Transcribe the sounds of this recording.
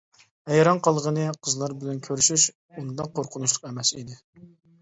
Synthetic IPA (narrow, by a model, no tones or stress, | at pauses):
hɛjɾɑnqʰɑlˠʁənɨqʰəzlˠɑɾbɪlɛnkʲʰøɾyʃyʃ | und̪ɑqoɾqʰʊnuʃlˠʊqɛmɛsid̪ɪ